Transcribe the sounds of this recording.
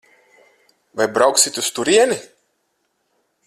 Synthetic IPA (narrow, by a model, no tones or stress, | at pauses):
vajbɾawksit̪ʲust̪uɾiɛni